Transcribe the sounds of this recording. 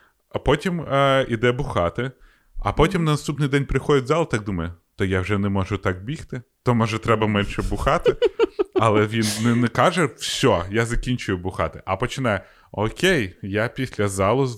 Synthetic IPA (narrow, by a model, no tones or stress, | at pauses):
pɔtʲimid̪ɛbʊxɑt̪ɪ | ɐ̰pɔtʲimnɐnɐst̪upnɪjd̪ɛnʲpɾɪxɔdʲɪtʲzɑlˠt̪ɑk̚d̪umɐjʊ | t̪ɔjawʒɛnɛmɔʒʊt̪ɑk̚bʲixt̪ɪt̪ɔmɔʒɛt̪ɾɛbɐmɛnʃɛbʊxɑt̪ɪɐlˠɛʋʲinnɛnɛkɑʒɛw̥sʲɔjazɐkʲinʲt͡ʃʊjʊbʊxɑt̪ɪʔɐpɔt͡ʃɪnɑjɛ | ɔkʲejjapʲisʲlʲɐzɑlˠʊ